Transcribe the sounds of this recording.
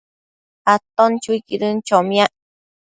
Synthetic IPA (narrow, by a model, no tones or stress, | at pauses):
at̪ont͡ʃujkiɾɨnt͡ʃomjaʔ